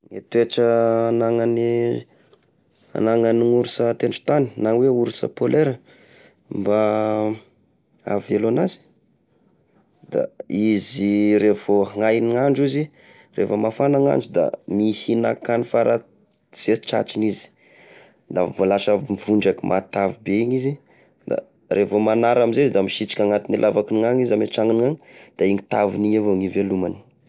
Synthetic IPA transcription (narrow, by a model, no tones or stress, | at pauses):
ŋet̪weʈ͡ʂəanaŋani | a̰naŋaniŋuɾusət̪eɳʈ͡ʂu̥t̪ani̥naŋweuɾusə̰poleɾə | mba | a̰velonazi̥ | d̪a̰iziɾefoŋajniŋaɳɖ͡ʐizi | refəmafanaŋa̰nɖ͡ʐud̪a̰mihina̰kanifaɾʔa | z̥et͡ʃa̰t͡ʃinizi̥ | nd̪avibalaʃavimiv̥uɳɖ͡ʐakimʔat̪avibeiɲizi | d̪a̰ | rʔevomanaɾamizeizd̪amiʃit͡ʃi̥kʲaŋat̪inilʔavakiniŋaŋizameʈ͡ʂaŋiniŋaŋd̪̥aiŋit̪aviniɲavoŋivelumani̥